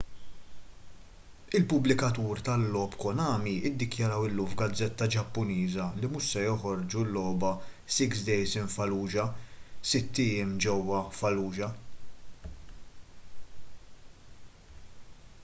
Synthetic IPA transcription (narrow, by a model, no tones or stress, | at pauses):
ɪlpʊblɪkɐt̪uːɾt̪ɐlːɔːpkɔnɐːmiɪd̪ːɪkjɐɾɐwɪlːuːmfɡɐd͡zːɛt̪ːɐd͡ʒɐpːʊniːzɐlimuʃsɛjɔħɔɾd͡ʒulːɔːbɐ | sɪksd̪ɛjsɪnfɐluːd͡ʒɐsɪt̪ːɪjɪmd͡ʒɛwːɐfɐluːd͡ʒɐ